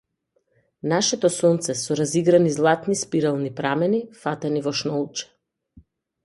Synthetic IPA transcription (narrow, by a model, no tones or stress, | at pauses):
naʃɛt̪ɔsɔnt̪sɛsɔɾaziɡɾanizlˠat̪nispiɾɛlˠnipɾamɛnifat̪ɛnivɔʃnɔlˠt͡ʃɛ̥